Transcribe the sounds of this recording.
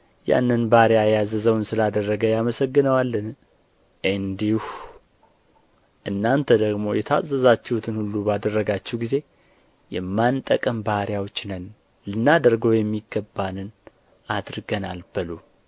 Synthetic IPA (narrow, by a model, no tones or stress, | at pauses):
ja̰nːɨnbaɾjajazəzəwnsɨlad̪ərːəɡəjaməsəɡːɨnəwalːən | ʔɨnd̪ih | ʔɨnːant̪ʰəd̪əɡmo̞jɛt̪ʰa̰zːəzat͡ʃːɛwut̪ʰɨnhulːubad̪ərːəɡat͡ʃːɛwɡize̞ | jɛmːant̪ʼəkʼəmbaɾijawot͡ʃːnən | lɨnːad̪əɾɡo̞jɛmːiɡːəbːanɨn | ad̪ɾɡənalb̥ɨlu